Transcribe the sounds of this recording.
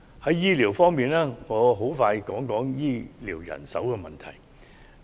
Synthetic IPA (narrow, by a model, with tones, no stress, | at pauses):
hɐ˨˦˥jiː˥liː˨˩wfɔː˥ŋmiː˨˧naː˥ŋɔː˨˧ɦo˨˥wfaː˧jkɔː˨˥ŋkɔː˨˥ŋjiː˥liː˨˩wjɐ̰˨˩nsɐ̰˨˥wkɛ˧mɐ˨nt̪ʰɐ̰˨˩j